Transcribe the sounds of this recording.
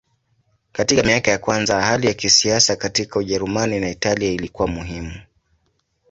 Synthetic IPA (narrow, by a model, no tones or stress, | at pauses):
katikamiakajakwanzahalijakisiasakatikauʄɛɾumaninaitaliailikuwamuɦimu